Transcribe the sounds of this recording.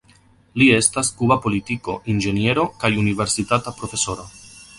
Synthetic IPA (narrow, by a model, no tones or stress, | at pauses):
lie̞staskubapo̞litiko̞̰ʔind͡ʒe̞nje̞ɾo̞kajunive̞ɾsitatapɾo̞fe̞so̞ɾo